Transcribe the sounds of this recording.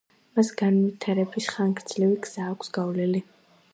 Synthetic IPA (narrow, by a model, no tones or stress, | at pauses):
masɡanvit̪ʰaɾɛbisχaŋɡɾd̪z̥liviɡz̥aːkʷʰsɡ̥avlɛli